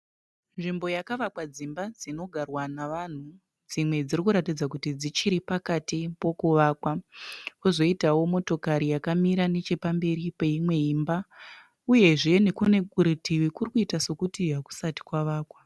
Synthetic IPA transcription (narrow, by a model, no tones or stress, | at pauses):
nʐimbo̞jakaʋakwad͡zimbad͡zino̞ɡʱarwanaʋan̤u | d͡zimwe̞d͡zirikuɾatid͡zakutid͡zit͡ʃiɾipakatipo̞kuʋaːkwakuzo̞itawo̞mo̞to̞kaɾijakamiɾane̞t͡ʃe̞pambe̞ɾipe̞imwe̞imba | uje̞ʐe̞ne̞kune̞kuɾitiwikurikuitaso̞kutiɦaku̥sati̥kwaʋaːkwa